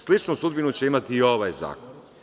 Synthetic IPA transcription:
slit͡ʃnusud̪̚binut͡ɕeimat̪iːo̞ʋajza̰ːkon

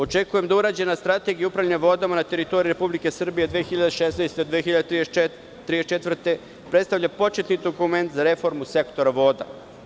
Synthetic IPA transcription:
o̞t͡ʃe̞kuje̞md̪auɾaːd͡ʑe̞nast̪ɾat̪e̞ɡijaupɾaʋʎneʋo̞d̪amanat̪e̞ɾit̪o̞ɾiɾe̞publike̞sr̩bije̞d̪ʋijexiʎad̪eʃesnajst̪eod̪ʋiexiʎad̪et̪ɾie | t̪ɾiet͡ʃe̞t̪vr̩t̪e̞ | pɾe̞t̪st̪aʋvʎapo̞t͡ʃet̪nid̪o̞kume̞nt̪zaɾe̞fo̞ɾmuse̞kt̪o̞ɾaʋo̞ːd̪a̰

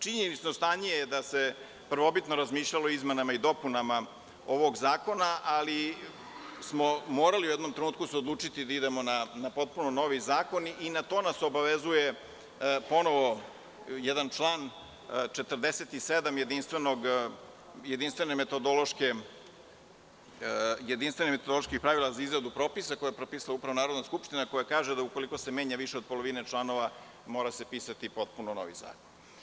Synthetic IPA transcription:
t͡ʃiɲenit͡ʃnost̪aɲiejd̪ase̞ | pr̩ʋo̞bit̪no̞ɾazmiːʃʎʲalˠo̞izmenamaid̪o̞punama | o̞ʋo̞ɡzaːko̞naʔali | smomo̞ːɾaliujɛd̪no̞mt̪ɾenuːt̪̚kuseod̪lˠuːt͡ʂit̪id̪aid̪emo̞nanapo̞t̪̚punono̞ʋizaːko̞ninat̪o̞ːnaso̞baʋezuje | po̞noʋo̞ | jɛd̪ant͡ʂlˠaːn | t͡ʃe̞t̪ərd̪eset̪ised̪amjed̪inst̪ʋenoɡ | jed̪inst̪ʋe̞nemet̪od̪olˠo̞ʃke | jed̪inst̪ʋe̞nimet̪od̪olˠoʃkixpɾaʋilˠazaizɾad̪upɾo̞ːpisakojapɾopiːsalaupɾaʋonaːɾo̞d̪naskupʃt̪inako̞jakaːʒed̪aukoliko̞seme̞ːɲaʋiʃeod̪̚polˠoʋinet͡ʃlˠano̞ʋa | mo̞ːɾase̞piːsat̪ipo̞t̪̚punono̰ʋḭza̰ːkon

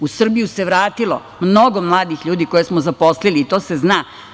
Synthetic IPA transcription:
usr̩bijuseʋɾaːt̪ilo̰ | mnoɡomlˠaːd̪ixʎuːd̪ikojesmozapo̞sliliːt̪o̞ːse̞zna

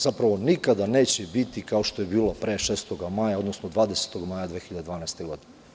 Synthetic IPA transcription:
z̥apɾaʋo̞nikad̪ane̞ːt͡ɕebit̪ikao̞ʃt̪o̞jebiːlapɾeʃeːst̪oɡamaːjao̞d̪nosnod̪ʋaːd̪ese̥t̪o̞ɡmaːjad̪ʋeːxiʎad̪d̪vaːnaest̪e̞ɡo̞d̪ine

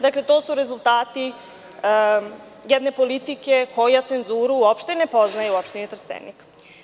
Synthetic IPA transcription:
d̪akle̞t̪o̞ːsuɾe̞zulˠt̪aːt̪i | jed̪ne̞po̞lit̪ike̞ko̞jat̪se̞nzuːɾuuopʃt̪ene̞po̞znajuuopʃt̪enit̪ɾ̩st̪ḛnḭk

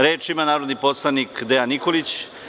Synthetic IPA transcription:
ɾeːt͡ʃimanaːɾo̞d̪niposlˠanikd̪eaniko̞lit͡ɕ

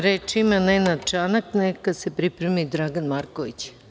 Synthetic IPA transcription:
ɾet͡ʃimanenad̪̚t͡ʃanaknekad̪sepɾipɾemid̪ɾaɡanmaɾkoʋit͡ɕ

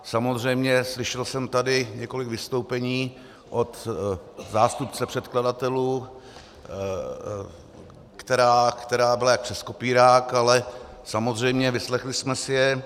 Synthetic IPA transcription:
samo̞zr̝ɛjmɲɛslɪʃɛlsɛmt̪adɪɲɛko̞lɪkvɪst̪o̞wpɛɲiː | ʔo̞t̪ | zaːst̪upt͡sɛpr̝̥ɛt̪kladat̪ɛluː | kt̪ɛɾaːkt̪ɛɾaːbɪlajak̚pr̥ɛsko̞piːɾaːkalɛsamo̞zr̝ɛjmɲɛvɪslɛxlɪsmɛsɪjɛ

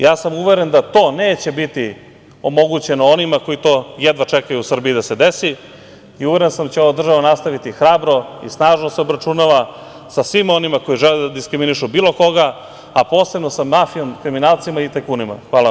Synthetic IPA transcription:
jaːsamuʋeɾend̪at̪o̞ːneːt͡ɕe̞bit̪i | o̞mo̞ɡut͡ɕe̞noonimako̞it̪o̞ːjed̪ʋat͡ʃekajuusr̩biːd̪ase̞d̪esi | iuʋeɾensamt͡ɕeo̞ʋad̪r̩ʒaʋanast̪aʋit̪ixɾaːbɾo̞ḭsnaːʒnoseo̞bɾat͡ʃunaʋa | sasʋimo̞nimako̞jiʒeled̪ad̪iskɾiminiʃubiːlˠo̞ko̞ɡa | apo̞ːse̞bno̞samafijo̞mkɾiminaːlˠt̪simait̪ekuːnima̰xʋaːla

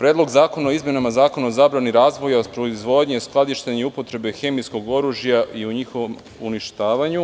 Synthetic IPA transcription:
pɾed̪lˠo̞ɡzaːko̞naoizmje̞namazaːko̞naozaːbɾaniɾaːzʋo̞japɾo̞izʋo̞d̪ɲesklˠad̪iʃt̪eɲeupo̞t̪ɾe̞be̞xe̞misko̞ɡo̞ɾuʒjaiuɲixo̞ʋom | uniʃt̪aːʋaɲu

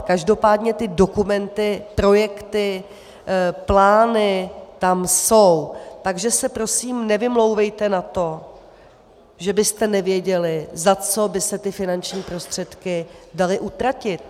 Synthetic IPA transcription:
kaʒdo̞paːdɲɛt̪ɪdo̞kumɛnt̪ɪpɾo̞jɛkt̪ɪ | plaːnɪt̪amso̞wt̪aɡʒɛsɛpɾo̞siːmnɛvɪmlo̞wvɛjt̪ɛnat̪o̞ | ʒɛbɪst̪ɛnɛvjɛɟɛlɪzat͡so̞bɪsɛt̪ɪfɪnant͡ʃɲiːpɾo̞st̪r̝̥ɛt̪kɪdalɪʔut̪ɾacɪt̪̚

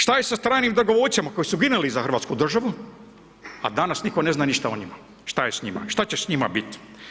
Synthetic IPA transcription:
ʃt̪ajesast̪ɾaːjnimd̪oɡoʋoːt͡ʃʲjamako̞jisuɡinelizaxrɾʋaːt̪skud̪r̩ʒaʋu | a̰d̪anasniko̞ne̞znaːniʃt̪aoɲima | ʃt̪ajesɲima̰ʃt̪at͡ɕesɲima̰bit̪

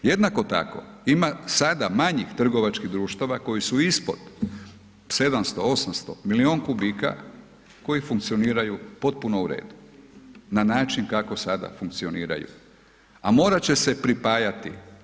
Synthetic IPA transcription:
je̞d̪nako̞t̪a̰ko̞̰imasad̪amaɲixt̪r̩ɡo̞ʋat͡ʃkiɣd̪ɾuːʃt̪aʋako̞jisuispo̞d̪̥ | se̞d̪amst̪o̞o̞samst̪o̞̰milio̞ːnkubiːka̰ | ko̞jifuŋkt̪sio̞niːɾajupo̞t̪̚puno̞uɾe̞̰ːd̪u | nanaːt͡ʃinkako̞sad̪a̰fuŋk̚t̪sio̞niːɾa̰jṵ | amo̞ːɾat͡ɕe̞se̞pɾipajat̪ḭ

